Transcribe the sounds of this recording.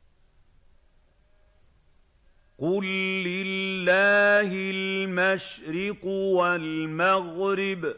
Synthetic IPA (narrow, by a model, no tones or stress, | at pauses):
qʊlːɪlːaːhɪlmaʃɾɪqwalmaɣɾɪb